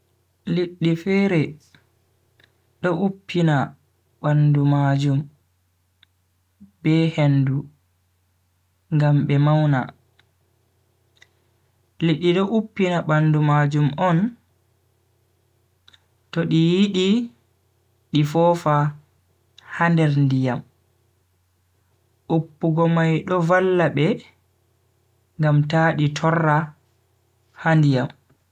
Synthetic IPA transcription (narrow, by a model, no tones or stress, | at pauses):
liɗːifɛɾɛ | ɗɔʔupːina | bandumad͡ʒum | b̥ɛhendu | ŋɡamɓɛmawna̰ | liɗːiɗɔʔupːinaɓandumad͡ʒumɔn | tɔɗijiɗi | ɗifɔːfa | handɛɾndijam | ʔupːuɡɔmajɗɔvalːaɓɛ | ŋɡamtaːɗitʰɔrːa | handijam